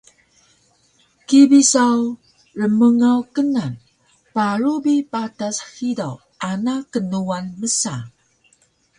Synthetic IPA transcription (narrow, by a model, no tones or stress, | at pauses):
kibisaw | rəməŋawkənan | paɾubipatashidaw | ʔanakənuanməsa